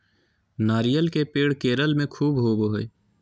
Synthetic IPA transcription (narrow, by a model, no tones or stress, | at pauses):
naːɾijəlkepeːɽkeːɾəlmẽkʰuːbɦoːboɦoeː